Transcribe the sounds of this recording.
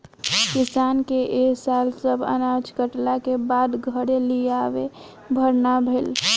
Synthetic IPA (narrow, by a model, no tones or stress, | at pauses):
kisankeʔesalsəbʱə̰nad͡ʒkəʈlakebad̪ɡʱəɽeliaʋe | bʱəɾnabʱel